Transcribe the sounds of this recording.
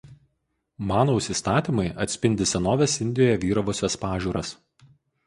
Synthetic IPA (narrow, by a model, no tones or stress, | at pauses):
mɑːnoːʊsʲiːˑst̪ɑːt̪ʲiˑmɐɪɐt̪ʲsʲpʲɪnʲd̪ʲɪsʲɛnoːʋʲɛsɪnʲd̪ʲɪjoːjɛʋʲiːɾɐʋoːsʲɛspɑːʒʲuːɾɐs